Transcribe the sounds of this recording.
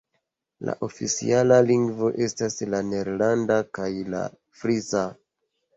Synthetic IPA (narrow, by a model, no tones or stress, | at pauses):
la̰ʔo̞fit͡sḭalaliŋɡvo̞ʔe̞staslane̞ɾlandakajla̰ | fɾiza